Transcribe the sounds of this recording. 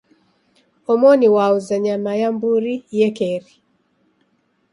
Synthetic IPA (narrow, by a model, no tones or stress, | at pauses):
ɔmɔniwauzaɲamajambuɾijɛkɛɾi